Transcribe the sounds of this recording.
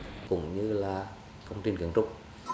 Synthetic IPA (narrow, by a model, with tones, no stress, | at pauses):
kʊ̰˧˥ŋ͡mɲɨ˧laː˨˩ | kə˧wŋ͡mt̪i˧nkɨ̰˨˧˩əŋt̪ʊ˦˥k͡p̚